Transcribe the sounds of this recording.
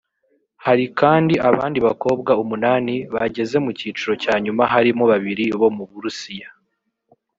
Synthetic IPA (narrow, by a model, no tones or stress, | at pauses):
haɾikaːndiʔaβaːndiβako̞ːb̚ɡaumunaːniβaɟe̞ze̞muciːt͡ʃuɾo̞caːɲumaɦaɾimo̞βaβiɾiβo̞muβuɾusija